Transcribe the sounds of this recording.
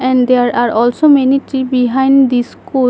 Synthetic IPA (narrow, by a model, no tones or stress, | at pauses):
ɛ̃ɳɖd̪eaɾaɾɔlsomeniʈibiɦãj̃ɳɖd̪isku